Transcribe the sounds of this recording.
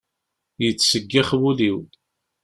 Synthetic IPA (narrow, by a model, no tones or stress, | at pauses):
jət͡sːsəɡːɪχwuliw